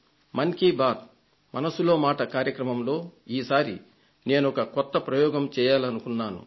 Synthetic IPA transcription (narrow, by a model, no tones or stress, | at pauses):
mɐŋkibaːt̪̚ | mɐnɐsulo̞ːmaːʈɐkaːɾjɐkɾɐmɐmlo̞ːiːsaːɾḭ | ne̞ːnuɔkɐkɔt̪ːɐpɾɐjɔːɡɐmt͡ʃɛːjaːlɐnukunːaːnṵ